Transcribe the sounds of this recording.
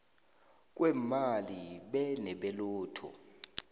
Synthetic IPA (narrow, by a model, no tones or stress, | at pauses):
k̬ʼwɛmaliɓɛnɛɓɛloːtʰɔ̰